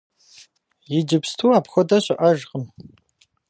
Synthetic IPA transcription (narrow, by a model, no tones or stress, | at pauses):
jɪd͡ʒɪpstʰuːaːpxʷɔdɐɕʼɪʔɐʒqʼəm